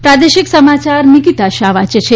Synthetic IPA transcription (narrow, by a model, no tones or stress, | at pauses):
pɾad̪eʃiksəmat͡ʃaɾnikit̪aʃaʋat͡ʃt͡ʃʰe